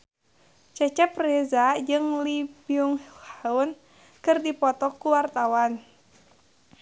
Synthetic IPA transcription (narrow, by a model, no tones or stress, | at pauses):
t͡ʃɛt͡ʃɛprɛzad͡ʒɨŋlibiuŋhlhaun | kɨrdipɔt̪ɔkuwart̪awan